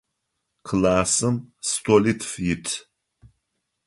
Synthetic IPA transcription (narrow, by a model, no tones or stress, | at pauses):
kʰɨlaːsɨmstʰolitʰfjɪtʰ